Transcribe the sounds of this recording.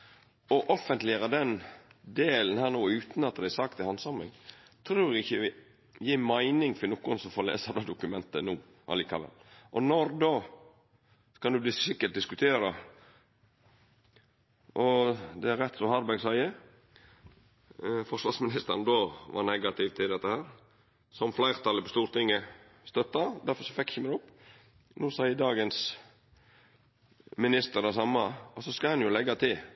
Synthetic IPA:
ɔʔɔfənt̪lɪəɾɑd̪ɛnd̪eːlnhæːɾnoːʉːt̪n̩ɑt̪̚d̪ææsɑk̚t̪ɪhɑnsɑmɪ̰ŋ | t̪ʰɾuːɾɡɪçːəɪ | jiːmæɪnɪŋfɪnuːkːʊnsɔfoːlḛːsɑd̪oːd̪ʊkʉmɛnt̪ənuː | ʔɑ̰liːkɑʋɛ̰lʔɔnɔɾd̪oː | skɑd̪ʉblɪsɪkːəʈ̪̚d̪ɪskʉt̪ʰeːɾə | ʔɔd̪ɛæɾɛt̪ːsɔhɑɾbæɡsæɪə | fɔʂʋɑɾsmɪnɪst̪ə̰ɾnd̪oːʋɑ̰ɾnɛɡɑt̪ɪʋt̪ʰɪld̪ɛt̪ːəhæːɾ | sɔmflæɪʁt̪ʰɑlːəpɔst̪uːɾt̪ɪŋːə | st̪œt̪ːɑd̪æɾfɔɾsɔfɛkːçəməd̪ʊpː | nuːsɑɪəd̪ɑːɡəns | mɪnɪst̪əɾd̪æsɑmːɑɔsɔskɑhɑnjʊlɛɡːɑt̪ʰɪl

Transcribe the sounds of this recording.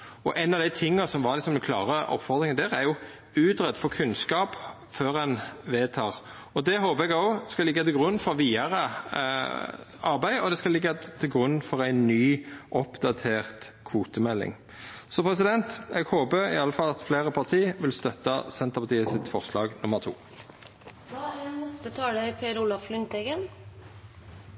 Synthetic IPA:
ɔʔæɪnɑʋd̪æɪt̪ʰɪŋːɑsɔmʋɑɾlɪksɔmd̪nkʰlɑːʁəɔ̰pfɔʁd̪ɾɪŋənd̪æːɾæɾjʊ | ʉːd̪ʁɛd̪fɔkʰʉnskɑːp | føːɾɛnʋeːt̪ʰɑːʁ | ɔd̪ɛɦoːpəɛɡoːskɑlɪɡːɑt̪ɪlɡʁʉnːfɔɾʋiːɑɾə | ɑɾbæɪɔd̪ɛskɑlɪɡːɑt̪ʰɪlɡʁʉnːfɔɾæɪnːyːʔɔpd̪ɑt̪ʰeːʁt̪ | kʰʋuːt̪əmɛlːɪ̰ŋ | sɔpʰʁɛs̬ɪd̪ɛnt̪ɛɡhoːbəɪ̰ɑləfɑlːɑt̪fleːʁəpʰɑʁt̪ʰiːʋɪlst̪œt̪ːɑsɛnt̪əpʰɑt̪iːəsɪt̪fɔʁslɑːɡnʊməʁt̪ʰṵː | ɛsət̪ʰɑːd̪əɪpʰeːɾulɑfflʏnt̪ɛɡən

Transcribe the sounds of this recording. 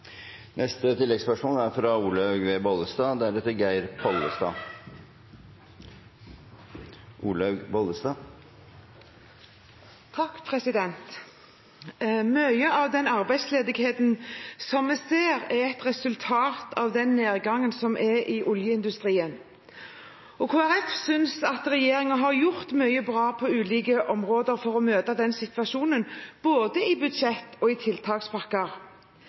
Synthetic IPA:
nʔɛst̪ət̪ʰɪlːɛɡspœʂmoːlæɾfɾɑuːlœʉɡʋeːboləst̪ɑːd̪æɾɛt̪ːəɾɡæɪɾpʰɔlːəst̪ɑ̰ː | ʔuːlɑʉɡbɔləst̪ɑː | t̪ʰɑkːpʰʁɛsɪd̪ɛnt̪ | mœʏəɑːʋd̪ɛnɑʁbæɪd̪sleːd̪ɪɡheːt̪nsɔmːɛseːɾɛʁɛt̪ʁɛsʉlt̪ʰɑːt̪ʰɑːʋd̪ɛnːeːʁɡɑŋːənsɔmʔɛʔɪʔʊljəɪnd̪ʉst̪ʁiːən | ɔkʰoːæɾɛfsʏnsɑt̪ɾɛjeːɾɪŋɑɦɑʁjʊʁt̪mœʏəbʁɑːpʰɔʉːliːkəʔɔmʁoːd̪əɾfɔʁɔmøːt̪ɑd̪ɛnsɪt̪ʋɑʃuːnənb̥oːd̪əɪbʉd̪ʃɛt̪ːɔɪt̪ʰɪlt̪ʰɑːkspʰɑkːəɾ

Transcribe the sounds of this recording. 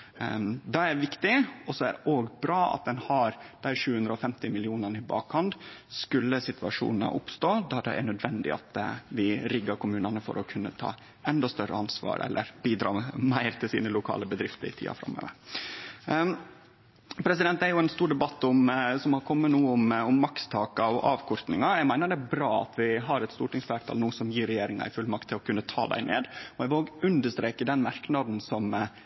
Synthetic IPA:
d̪ɑæɾʋɪkt̪ɪɔsɔæ̰ɾʔoːɡbɾɑːɑ̰t̪̚d̪ɛnhɑɾd̪̥æɪʂʉːʉnd̪ɾəɔfɛmt̪ɪmɪlɪuːnɑɳəɪbɑ̰ːkhɑnd̪skʉlːəsɪt̪ʰʋɑ̰ʂṵːnnə̰ʔʊpst̪oːd̪ɑd̪ɛ̰ʔæ̰ɳœd̪ʋɛnd̪ɪ̰ɑ̰t̪ʋɪɾɪɡːɑɾkʰʊmʉːnɑnəfɔ̰ɾʔɔkʰʉnːət̪ʰɑ̰ː | ɛnd̪ɔst̪œrə̰ɑnsʋɑ̰ːɾɛ̰lʔəɾbiːd̪ɾɑ̰ːmæɪɾt̪ʰɪlsḭːnəlʊkʰɑ̰ːləbəd̪ɾɪft̪əɾɪ̰t̪ʰḭːɑ̰fɾɑ̰mːø̰ːʋəɾ | pʰɾɛsɪd̪ɛnt̪æɾjʊɛːnst̪uːɖɛbɑt̪ːʊmsɔmhɑɾkʰɔmːənuːʊmʊmːɑkst̪ʰɑːkɑɔʔɑːʋkʰɔɾt̪nɪŋɑjæɡmæɪnəɖɛæbɾɑːɑ̰t̪ʋɪɦɑɾɛt̪st̪uːʈɪŋsfæːɾt̪ʰɑ̰lnuːəsɔmjiːɾɛjeːɾɪŋɑ̰ɪfʉlmɑk̚t̪ʰːɪlɔkʰʉnːət̪ʰɑ̰ːd̪æ̰ɪnḛːd̪ɔɛɪʋoːɡʉnd̪əʂt̪ɾeːkəd̪ɛnmɑɾknɑd̪n̩sɔm

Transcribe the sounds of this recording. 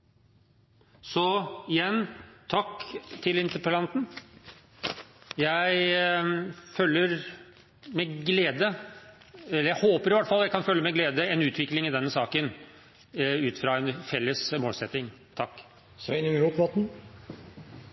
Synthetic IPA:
sɔɪjɛnːt̪ʰɑkːt̪ʰɪlɪnt̪əɾpəlɑnt̪n̩ | jæɪ | fœlːəɾ | mɛɡleːd̪ə | ɛlːəɾjæɪhoːpəɾɪʋɑʈ̪ːəfɑlːɑjæɪkʰɑnfœlːəmɛɡleːd̪əɛnʉːt̪ʰʋɪklɪŋɪd̪ɛnːəsɑːkən | ʉːt̪əfɾɑɛnfɛlːəsmoːlsɛt̪ːɪŋt̪ʰɑkː | sɪnʉŋɾuːp̪ʋɔt̪n̩

